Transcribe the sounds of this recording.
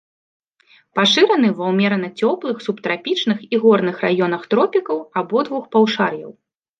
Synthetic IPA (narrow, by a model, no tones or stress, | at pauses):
paʂɨɾɐn̪ɨvɐwmʲɛɾɐnɐt͡sʲɔplˠɨxsupt̪ɾapʲit͡ʂnɨxiɣɔrnɨxra̰jɔnɐxt̪ɾɔpʲikɐwabɔd̪vuxpawʂarjɐ̰w